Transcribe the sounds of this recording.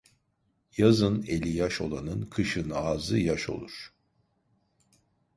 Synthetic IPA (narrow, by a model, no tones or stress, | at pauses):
jazɯnelʲijaʃo̞lˠanɯnkʰɯʃɯnɯazɯjaʃo̞̰lˠuɾ̥